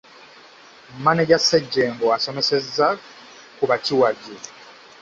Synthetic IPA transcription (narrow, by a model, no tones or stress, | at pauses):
maneɟaseɟːeːŋɡoasomesezːa | kuβaciwaβe